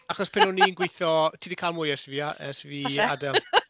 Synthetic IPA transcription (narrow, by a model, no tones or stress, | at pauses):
aχɔspʰɪnʊnːinɡwɪjθɔtʰiːdikʰaːlˠmʊːjɛrsviːaʔɛ̰rsvia̰dɛl